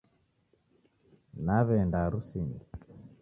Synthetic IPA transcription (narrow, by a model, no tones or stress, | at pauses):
naβɛndaɾusini